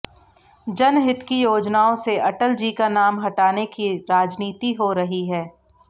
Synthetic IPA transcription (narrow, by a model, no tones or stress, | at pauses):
d͡ʒɐnɦɪt̪kijoːd͡ʒnaːõseʔɐʈəld͡ʒiːkanaːmɦɐʈaːnekiɾaːd͡ʒniːt̪iɦoɾɐɦiɦɛː